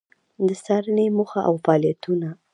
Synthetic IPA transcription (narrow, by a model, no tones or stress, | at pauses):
d̪əsɑɾənemuxaʔawfɑlijat̪una